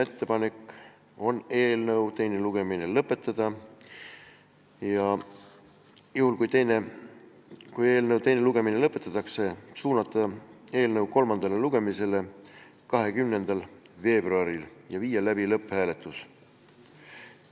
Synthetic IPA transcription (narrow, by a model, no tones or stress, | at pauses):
e̞t̪ːe̞pɑne̞kːˑ | o̞ne̞ːlnɤwt̪e̞jne̞luɡ̥e̞minelɤpːˑe̞t̪ːˑɑd̪̥ɑ | jɑ | juhulkujt̪ejne | kuje̞ːlnɤwt̪e̞jnluɡ̥e̞minelɤpːˑet̪ˑːɑt̪ːˑɑkse̞suːnɑt̪ːˑɑe̞ːlnɤuwko̞lmɑnd̪ɑle̞luɡ̥e̞mise̞le̞ | kɑɦe̞kymne̞nd̪̥ɑl | ve̞ːb̥ruɑɾiljɑviːjɑlæbilɤpːˑhæːle̞t̪ˑːus